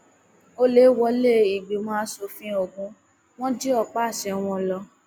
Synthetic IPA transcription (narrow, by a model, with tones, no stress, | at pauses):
o˦le˦wɔ˧le˦i˨ɡ͡bi˨mɔ̃ː˦so˧fĩ˧˦o˦˨ɡũ˧ | w̃ɔ̃˦d͡ʒi˦ɔ˧k͡pa˦˨ʃɛ˧w̃ɔ̃˧lɔ˧